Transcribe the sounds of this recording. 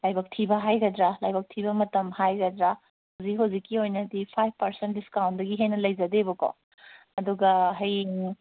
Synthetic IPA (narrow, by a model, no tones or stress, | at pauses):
lajbɐk̚tʰibɐɦajɡɐdɾalajbɐk̚tʰibɐmɐtɐmhajɡɐdɾa | hɐwzikɦɐwzikːiojnɐdipʰajb̚pɐɾsent̚diskawndɐɡiɦejnɐlɐjzɐdebɐko̰ | ɐduɡɐɦɐj